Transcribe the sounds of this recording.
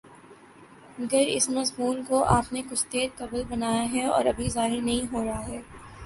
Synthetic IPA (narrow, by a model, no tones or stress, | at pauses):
mɐɡəɾɪ̰smɐzmuːnkoʔaːpnekʊt͡ʃʰt̪eːɾkɐblbɐnaːjaɦɛɔ̰ːɾɐbʱizaːɦɪɾnɐɦĩɦoːɾɐɦaɦɛː